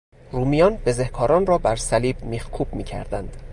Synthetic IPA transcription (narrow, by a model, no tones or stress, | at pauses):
ruːmijɒːnb̥e̞zehkʰɒːɾɒːnrɒːbæɾsæliːbmiːhkʰuːb̥̚miːcʰæ̰ɾd̪ænd̪̥